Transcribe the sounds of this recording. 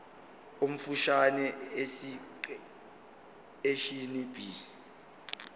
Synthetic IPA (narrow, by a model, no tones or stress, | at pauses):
um̩fuʃanɛesi | eʃinib̥ʱi